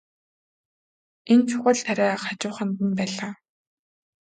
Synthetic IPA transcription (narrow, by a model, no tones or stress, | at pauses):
ent͡ɕʰʊχə̆ɮt̪ʰaɾʲæːχat͡ɕʊːχə̆nt̪ə̆mpæːɮaː